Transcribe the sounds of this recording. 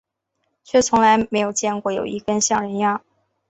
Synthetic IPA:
t͡ɕʰɥɛ˥˩t͡sʰʊ˧˥ŋla˧˥ɪme˧˥ɪjo˨˩ʊt͡ɕjɛ˥˧nkwɔ˥˩jo̰˨˩ʊi˧˥kə˥nɕjɑ˥˩ŋɻə˧˥nja˥˩

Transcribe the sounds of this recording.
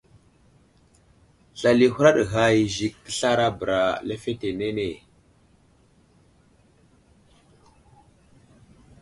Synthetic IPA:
ɬa˨li˨hu˦ɾa˦ɗɣa˨ji˨zi˨k̚kə̥˦ɬa˦ɾa˦bə˨ɾa˨le˦fe˦te˨ne˦ne˨

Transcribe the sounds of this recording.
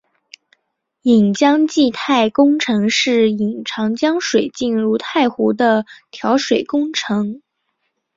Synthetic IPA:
i˨˩ŋt͡ɕjɑ˥ŋt͡ɕi˥˧t̪ʰa˥˩ɪkʊ˥ŋʈ͡ʂʰɤ˧˥ŋʂɻ̩˥˩i˨˩ŋʈ͡ʂʰɑ˧˥ŋt͡ɕjɑ˥ŋʂwe˨˩ɪt͡ɕi˥˧nɻu˥˧t̪ʰa˥˩ɪxu˧˥d̪ə˧t̪ʰjɑ˧˥ʊʂwe˨˩ɪkʊ˥ŋʈ͡ʂʰɤ˧˥ŋ

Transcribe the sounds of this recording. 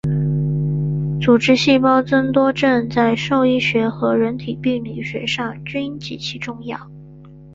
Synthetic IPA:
t͡su˨˩ʈ͡ʂɻ̩˥ɕi˥˩pɑ˥ʊt͡sə˥nt̪wɔ˥ʈ͡ʂə˥˧nt͡sa˥˧ɪʂo˥˧ʊi˥˩ɕɥɛ˧˥xɤ˧˥ɻə˧˥nt̪ʰi˨˩pi˥˩ŋli˨˩ɕɥɛ˧˥ʂɑ˥˩ŋt͡ɕy˥nt͡ɕi˧˥t͡ɕʰi˥ʈ͡ʂʊ˥˧ŋjɑ˥˩ʊ

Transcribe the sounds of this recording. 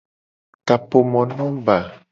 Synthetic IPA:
ka˨po˨mɔ̃˨nɔ̃˦ba˨

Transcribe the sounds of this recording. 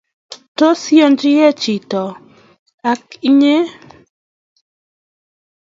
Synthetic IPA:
to˦sjo˦nd͡ʒɪ˦jɛ˦t͡ʃi˨tɔ˨ | a˨ki˦ɲe˦

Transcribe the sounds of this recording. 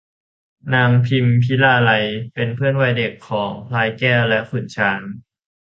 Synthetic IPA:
naː˧mpʰi˧mpʰi˦˥laː˧la˧jpe˧npʰɯ˥˩ənwa˧˩jde˨˩kʰːɔː˩˦ŋpʰlaː˧jkɛː˥˩wlɛ˦˥kʰu˨˩t̪̚t͡ɕʰaː˨˦˥n

